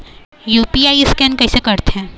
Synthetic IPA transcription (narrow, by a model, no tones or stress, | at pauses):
juːpiaːiɪskɛːnkɐɦisekɐɾt̪eɦɛ̃ː